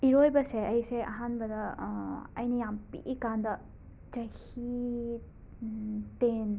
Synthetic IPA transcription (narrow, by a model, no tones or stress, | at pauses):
iɾojbɐseɐjseʔɐɦanbɐdɐ | ɐ̰jnijampḭɡikandɐ | d͡ʒɐjhi | ten